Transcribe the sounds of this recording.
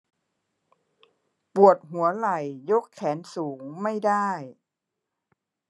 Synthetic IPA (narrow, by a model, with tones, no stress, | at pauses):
pu˨˩ət̪̚ɦu˩˦ɐla˨˩jːo˦˥kʰːɛː˩˦nsuː˩˦ŋma˥˩jdaː˥˩j